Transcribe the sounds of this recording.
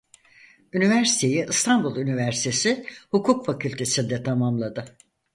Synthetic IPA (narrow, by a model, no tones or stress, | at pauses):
ynivæɾsi̥t̪ʰe̞jiʔɯst̪ʰanbulˠynivæɾsi̥t̪ʰesihukʰukfacʰylʲt̪ʰe̞sind̪ɛt̪ʰamamlˠad̪ɯ